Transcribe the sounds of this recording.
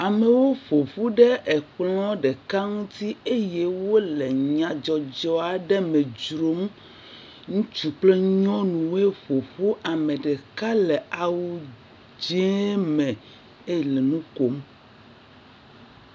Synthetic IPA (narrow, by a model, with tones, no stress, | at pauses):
a˨me˨wo˦ɸo˨ɸu˦ɖɛ˦ʔɛ˨k͡plɔ̃˦ɖɛ˨ka˦ŋũ˦t̪i˦e˦je˦wo˦le˨ɲã˨d͡ʒɔ˨d͡ʒɔ˦a˨ɖɛ˦mẽ˨d͡ʒɾo˦m˦ | ŋũ˦t͡ʃu˨k͡ple˦ɲɔ̃˦nũ˨we˦ɸo˨ɸu˦ʔa˨mẽ˨ɖɛ˨ka˦lɛ˨a˨wu˦ | d͡ʒe˦mɛ̃˨ | e˦˨le˨nũ˦ko˦m